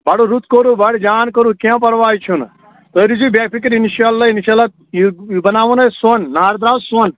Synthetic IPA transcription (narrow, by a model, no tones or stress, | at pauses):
baɽuɾut̪ʰkoɾubɐɽd͡ʒaːnkəɾukãːp̬ɐɾʋaːjt͡ʃʰun | t̪əɾid͡ʒubaːpikɐɾinʃaːlːaːinʃalat̪̚ | bɐnaːʋunɐsonːaːɾd̪ɾaːwsɐn